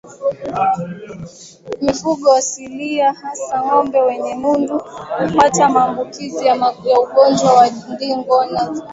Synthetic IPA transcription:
mifuɠɔwasiliahasaŋɔmbɛwɛɲɛmunduhupatamaːmbukizijajauɠɔnd͡ʒwawandiŋɡɔna

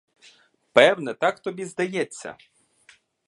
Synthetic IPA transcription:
pɛwnɛt̪ɑkt̪ɔbʲizd̪ɐjɛt͡sʲːɐ̰

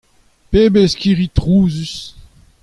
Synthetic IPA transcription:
peːbeskiʁit̪ʁuːzys

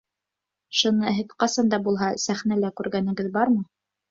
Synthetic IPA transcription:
ʃɤ̆nɤɦɘ̆ðqɑsɑnd̪ɑbulˠɦɑsæχnælækʉɾɡænɘ̆ɡɘðbɑɾmɤ

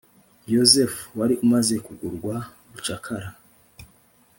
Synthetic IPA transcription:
jozefwaɾiʔumaze̞kuɡuɾɡwauβut͡ʃakʰaɾa

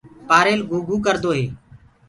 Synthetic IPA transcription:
paːɾeːlɡʱuːɡʱuːkəɾd̪oːɦeː

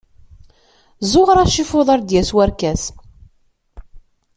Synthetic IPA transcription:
zoʁɾæʃifʊðˤɑɾd̪jæswæɾkæs

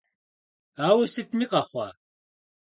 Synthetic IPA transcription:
aːwisɨt̪ʰmiqʼaχʷa̰

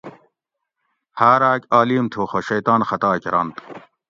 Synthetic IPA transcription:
haːɾaːkaːliːmt̪ʰuːxoɕejt̪aːnxɐt̪aːkiɾɐ̰nt̪

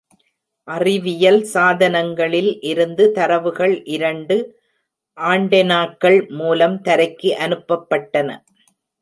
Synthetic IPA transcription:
ʔɐrɪʋɪjɐlsaːðɐnɐŋɡɐɭɪlʔɪɾɯnd̪ɯt̪ɐɾɐʋɯɣɐɭʔɪɾɐɳɖɯ | ʔaːɳɖɐnaːkːɐɭmuːlɐmt̪ɐɾɐɪkːɯʔɐnɯpːɐpːɐʈːɐnɐ̰

